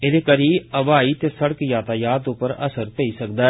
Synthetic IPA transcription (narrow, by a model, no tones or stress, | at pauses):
ɪd̪eːkəɾiːəʋaːit̪eːsəɽəkjaːt̪aːjaːt̪ʊpəɾə̰səɾp̪eisəkd̪aː